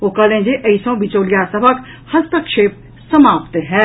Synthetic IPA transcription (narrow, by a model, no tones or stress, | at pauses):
oːkɐlẽːd͡ʒeʔɐisɔ̃ːbɪt͡ʃoːljaːsəbʱək | hɐst̪əkʃeːp̚ | səmaːpt̪ɦɛː